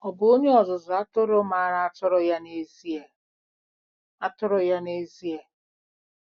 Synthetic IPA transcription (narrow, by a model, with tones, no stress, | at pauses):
ɔ˨bʊ˨˦o˦ɲe˦ɔ˨zʊ˨zʊ˨a˦tʊ˦ɾo˦ma˨a˦ɾa˦a˦tʊ˦ɾɔ˨ja˦ne˦zi˦e˨ | a˦tʊ˦ɾʊ˨ja˦ne˦zi˦e˨